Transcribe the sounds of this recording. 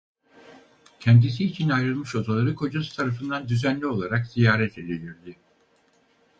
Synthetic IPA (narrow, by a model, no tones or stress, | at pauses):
cʰɛnd̪is̬iːt͡ʃʰinajɾɯlˠmɯʃo̞d̪alˠaɾɯkʰo̞d͡ʒasɯ̥t̪ʰaɾafɯnd̪and̪yzænlʲio̞lˠaɾakz̥ijaːɾɛt̪ʰe̞lʲilʲiɾd̪ɪ